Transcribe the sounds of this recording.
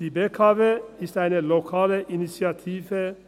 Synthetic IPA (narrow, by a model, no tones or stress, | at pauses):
iːbeːkʰɑːʋeːɪst̪æɪnəlɔkʰɑːləʔɪnɪsɪɑt̪ʰiːʋə